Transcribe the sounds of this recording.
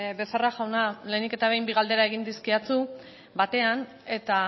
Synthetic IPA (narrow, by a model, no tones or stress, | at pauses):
be̞saraʝawnale̞nike̞t̪aβ̞e̞jmbiɣ̞ald̪e̞ɾae̞ɣind̪iskiat͡su | bat̪e̞an | e̞t̪a